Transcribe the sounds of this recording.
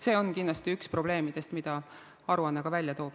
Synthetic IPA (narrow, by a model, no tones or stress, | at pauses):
se̞ːo̞nkind̪lɑst̪iykspro̞b̥le̞ːmid̪̥e̞st̪mid̪̥ɑ | ɑɾuɑnːeɡ̥ɑvælʲjɑt̪o̞ːb̥